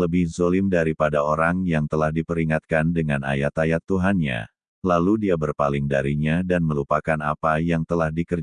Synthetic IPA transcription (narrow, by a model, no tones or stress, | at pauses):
ləbɪhzolɪmdaɾipadaoɾaŋjaŋt̪əlahdipəɾiŋat̪̚kandəŋana̰jat̪ajat̪ːuɦanɲa̰ | laludiabərpalɪŋdaɾiɲadanməlupakana̰pajaŋt̪əlahdikər